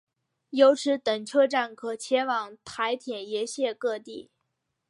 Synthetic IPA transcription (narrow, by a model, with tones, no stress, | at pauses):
jo˧˥ʊʈ͡ʂʰɻ̩˧˥t̪ə˨˩ŋʈ͡ʂʰɤ˥˧ʈ͡ʂa˥˩nkʰɤ˨˩t͡ɕʰjɛ˧˥wɑ˨˩ŋt̪ʰa˧˥ɪt̪ʰjɛ˨˩njɛ˧˥ɕjɛ˥˧kɤ˥˧t̪i˥˩